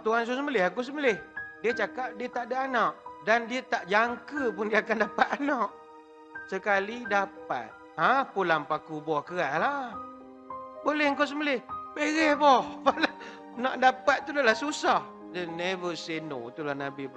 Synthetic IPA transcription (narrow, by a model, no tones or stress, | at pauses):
t̪uɦans̬usəməlɪhakus̬əməlɪhdiət͡ʃakap̚diət̪aʔdaʔanaʔdandiət̪aʔd͡ʒaŋkəpʊndiəakandapat̪̚anɔʔ | səkalidap̚a̰t̪̚ | ãpulampakubɔhkəɣaʔla | bolɛhəŋkaws̬əməlɪhbeɣɛhbɔhpala | naʔdapat̪̚t̪udolahsusah | dənɛvəseno̰t̪ulahnabi